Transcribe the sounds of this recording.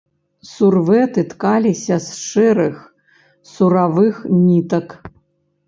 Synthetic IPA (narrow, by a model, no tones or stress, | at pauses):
survɛt̪ɨt̪kalʲisʲɐsʂɛɾɨx | suɾavɨxnʲit̪ɐk